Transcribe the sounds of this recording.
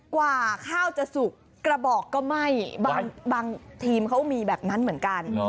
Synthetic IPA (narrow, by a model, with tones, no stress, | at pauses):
kwaː˨˩kʰaː˥˩wt͡ɕa˨˩su˨˩kːɾa˧bɔː˨˩kːɔː˥˩ma˥˩jbaː˧ŋbaː˧ŋt̪ʰiː˧mkʰa˦˥wmiː˧bɛː˨˩p̚na˦˥nmɯ˩˦ənka˧n